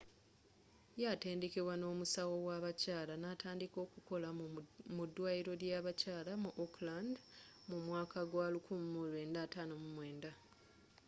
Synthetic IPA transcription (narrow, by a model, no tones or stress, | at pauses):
jate̞ːnde̞keβwano̞ːmusawo̞waβacaːlanataːndiko̞ːkuko̞lamudːwaːiɾo̞ljaβacaːlamuʔokland | mumwaːkʰaɡwalukumumulwe̞ːndatanomumwe̞ːnda